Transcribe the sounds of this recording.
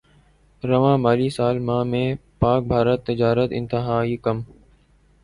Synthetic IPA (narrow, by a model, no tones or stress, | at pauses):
ɾəʋãːmaːliːsaːlmãːmẽːpaːk̚bʱaːɾət̪ːɪd͡ʒaːɾət̪ɪ̰̃nt̪ɪɦaːiːkəm